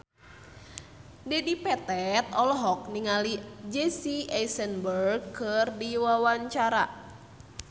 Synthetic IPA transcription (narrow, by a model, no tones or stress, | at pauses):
dɛdipɛt̪ɛt̪ɔlɔɦɔk̚niŋalid͡ʒesiɛsənbərɡkːɨrdiwawaɲt͡ʃaɾa̰